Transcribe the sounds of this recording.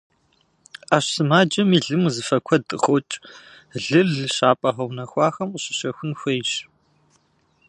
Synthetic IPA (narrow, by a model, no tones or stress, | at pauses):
aːɕsɨmaːd͡ʒɐmiːɮɨmuzɨfɐkʷʰɔdʼɨ̰χɔt͡ʃʼ | ɮɨrɮɕaːpʼɐʁɐwnɐxʷɑːxɐmqəɕɪ̥ɕɐxʷʊnxʷejɕ